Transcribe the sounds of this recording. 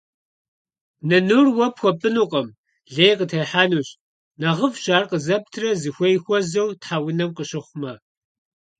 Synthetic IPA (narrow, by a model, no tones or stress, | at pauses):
nɐnurwɐpxʷɔpʼɨnuːqʼɐm | ɮeːjqətʰɐjħaːnuːɕʼ | nɐʁəvɕaːrqəzɐp̚tʰrɐzɨxʷɔjxʷɔzɐwtħaːwʊnɐmqəɕɪχʷʊmɐ